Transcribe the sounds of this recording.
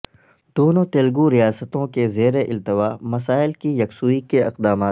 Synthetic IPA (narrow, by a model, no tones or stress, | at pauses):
d̪̥oːnõt̪eːlɡuɾijaːsət̪õkezeːɾeʔɪlt̪əʋaːmɐsaːɪlkijɐksuːikeɪ̰qd̪aːmaːt̪